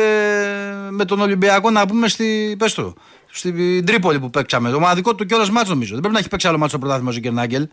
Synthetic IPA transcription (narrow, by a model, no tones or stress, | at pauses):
e | me̞t̪o̞no̞limbiɐko̞nɐpume̞st̪ipe̞st̪o̰ | st̪id̪ɾipo̞lipupeksɐme̞t̪o̞mɐðiko̞t̪ːuc̬oɾɐzmɐt͡sno̞mizo̞ðebɾeinɐeçipe̞ksialomɐt̪st̪opɾot̪ɐθimosiɟeɾnɐɟel